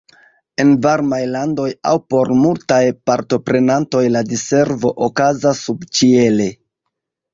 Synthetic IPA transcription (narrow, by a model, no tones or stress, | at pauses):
e̞nvaɾmajlando̞ja̰wpo̞ɾmultajpaɾto̞pɾe̞nanto̞jladise̞ɾvo̞ʔokazasːubt͡ʃie̞le̞